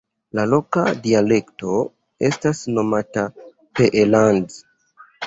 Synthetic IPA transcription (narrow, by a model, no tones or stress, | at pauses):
lalo̞kadiale̞kto̞ | e̞̰stasno̞mata | peʔeland